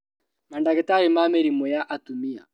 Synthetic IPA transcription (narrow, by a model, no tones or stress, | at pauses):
mandakɛtaɾɛmamɛɾimɔjaʔatumia̰